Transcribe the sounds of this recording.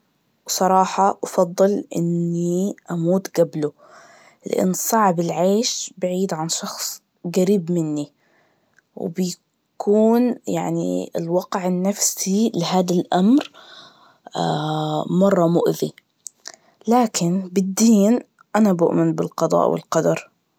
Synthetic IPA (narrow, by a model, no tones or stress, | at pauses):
wsˤɑɾˤɑːħɑʔɑfɑðˤːɨlʔɪ̰nːiʔamuːt̪ɡablʊ | lɪ̰ʔa̰nːsˤɑʕbɪlʕeːʃbaʕiːd̪ʕanʃɑxsˤ | ɡaɾiːbmɪnːi | w̰bja | kʰuːnjaʕnḭɪ̰lwɑqʕɪnːafsilɪhaːd̪alʔamɾ | amɑrˤːɑmʊʔði | laːkʰɪnbɪd̪ːiːn | ʔanabʊ̰ʔmɪnbɪlqɑðˤɑ̰ːʔwɪ̰lqɑd̪ɑɾˤ